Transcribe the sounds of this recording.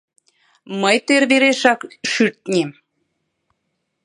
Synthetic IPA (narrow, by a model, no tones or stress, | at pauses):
məjt̪øɾβeɾeʃɑkʃyɾt̪̚nʲem